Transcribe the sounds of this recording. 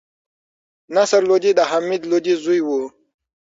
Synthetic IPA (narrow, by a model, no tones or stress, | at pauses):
nasəɾlod͡ʑid̪aɦamid̪lod͡ʑizujwu